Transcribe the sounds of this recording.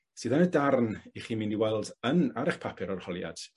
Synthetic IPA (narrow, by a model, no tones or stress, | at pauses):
sɨːðanədarniχiːmindiwɛlˠdənaɾɛχpʰapʰɪɾɔrhɔlˠja̰d̥